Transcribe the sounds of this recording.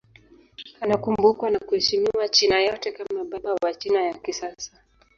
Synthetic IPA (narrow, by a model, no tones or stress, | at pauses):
anakumbukwanakuhɛʃimiwat͡ʃinajɔtɛkamaɓaɓawat͡ʃinajakisasḁ